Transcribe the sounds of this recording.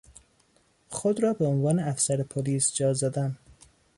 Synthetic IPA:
xod̪ɾɒːbeonvɒːneæfsæɾepʰoliːsd͡ʒɒːzɒd̪æn

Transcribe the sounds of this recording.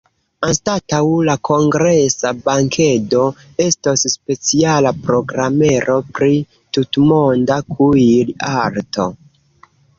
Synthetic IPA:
anstatawlakʰo̞ŋɡɾesabaŋkʰe̞do̞ | e̞stosːpe̞t͡sialapɾo̞ɡɾame̞ɾʔo̞pɾi | tutmondakʰuilaɾto̞

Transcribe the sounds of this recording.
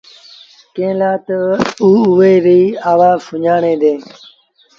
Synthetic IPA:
kẽːlaːt̪əuːuʋeːɾiːaːʋaːfʊɲaːɳẽːd̪ẽː

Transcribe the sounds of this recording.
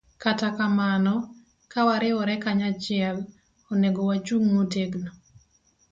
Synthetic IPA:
katakamanɔ | kawaɾɪwɔɾɛkaɲat͡ʃɪɛl | oneɡowat͡ʃuŋmoteɡno

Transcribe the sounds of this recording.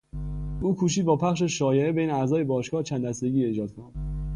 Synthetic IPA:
ʔuːkʰuːʃ̬iːd̪̚bɒːpʰæχʃ̬eʃɒːjeʔebejneæzɒːje̞bɒːʃkɒːht͡ʃʰænd̪æsd̪e̞ɡiːe̞ːd͡ʒɒːd̪̚kʰonæd̪̥

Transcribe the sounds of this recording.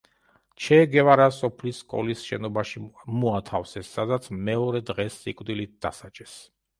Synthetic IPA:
t͡ʃʰɛɡɛvaɾasɔpʰlisːkʼɔ̰lisʃɛ̰nɔbaʃimuat̪ʰafsɛsːad̪at̪sʰmɛɔɾɛd̪ʁɛsːikʼwd̪ilit̪̚d̪a̰sat͡ʃʼɛs

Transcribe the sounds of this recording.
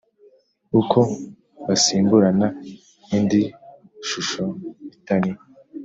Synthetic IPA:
ukʰo | βasiːmbuɾana | indi | ʃuʃoβitaŋi

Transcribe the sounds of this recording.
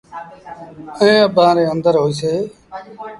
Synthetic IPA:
əẽːəbãːɾeːənd̪əɾɦoːiːseː

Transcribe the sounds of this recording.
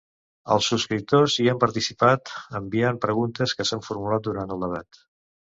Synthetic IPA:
ə̰lˠsːuskɾip̚t̪oziampəɾt̪isipat̪əmbiampɾəɣunt̪əskəsaɱfuɾmulat̪̚d̪uɾant̪əlˠd̪əβat̪

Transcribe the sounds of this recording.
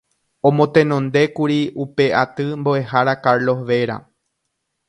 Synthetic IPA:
õ̞mõ̞t̪ẽ̞nõ̞nd̪e̞kuɾiupe̞ʔat̪ɨmboe̞ɦaɾakaɾlo̞ɦʋe̞ɾa̰

